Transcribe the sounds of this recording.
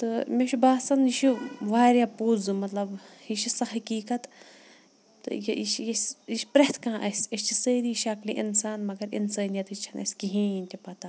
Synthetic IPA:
t̪ɨmeʃubaːsɐniʃʰiʋaːɾjaːpoːzumɐt̪lɐb | iʃisɐɦɐkiːkɐt̪ | t̪ɨ̰jiiʃjesʲiʃʲpɾɐht̪ʰkãːʔɐsʲɐst͡ʃʰisəːɾiʃɐklḭʔḭnsaːnmɐɡɐɾḭnsɐːnijɐt̪it͡ʃʰɐnɐ̰sʲkiɦĩinʲt̪ʲipɐt̪a

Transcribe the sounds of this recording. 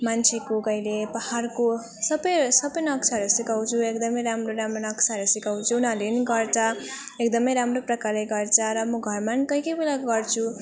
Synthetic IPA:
mant͡sʰekokʌjlepaharko | sʌbʌjsʌbʌjnʌksʰaʌɾusikaw̃t͡sʰuekd̪ʌmʌjɾamroɾamronʌksʰaɦʌɾusikaw̃t͡sʰuːnʌleniɡʌrt͡sʰʌekd̪ʌmʌjɾamroprʌkaɾeɡʌrt͡sʰʌɾʌmʌɡʱʌrmankʌjkʌjbelaɡʌrt͡sʰu

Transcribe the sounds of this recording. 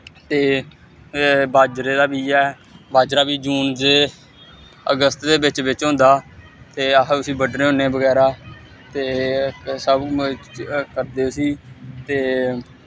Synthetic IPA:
t̪eː | baːd͡ʒɾeːd̪aːbiːɛː | baːd͡ʒɾaːbiːd͡ʒuːnd͡ʒeː | əɡəst̪d̪eːbɪt͡ʃʋɪt͡ʃɦʊ̃nd̪aː | t̪eːəɦʊsĩːbəɖɾeːɦʊneːbəɡɛːɾaː | t̪eːsəb | kəɾd̪eːʊsiːt̪eː

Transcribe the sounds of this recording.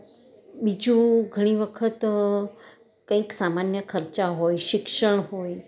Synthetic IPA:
bid͡ʒũɡʱəɽ̃iʋəkʰət̪ | kə̃ĩksamanjəkʰəɾt͡ʃaɦojʃɪkʃəɳ̃ɦoj

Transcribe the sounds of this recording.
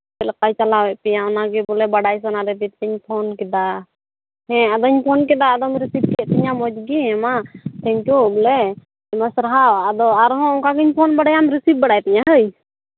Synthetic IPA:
t̪ɛlɛkajt͡ʃalawɛʔpɛjaɔnaɡɛbɔlɛbaɽajs̬anaɾɛd̪it̪̚ɛɲpʰɔnkɛd̪a | hɛ̃ad̪ɔɲpʰɔnkɛd̪aːd̪ɔmɾisip̚kʰɛʔt̪ɛɲamɔd͡ʒɡiɛ̃mat̪ɛ̃ɲkubɔlɛ | ɛmasɾaɦawad̪ɔaɾɦɔ̃ɔ̃kaɡiɲpʰɔnbaɽajamɾisip̚baɽajt̪ɛɲaɦəj

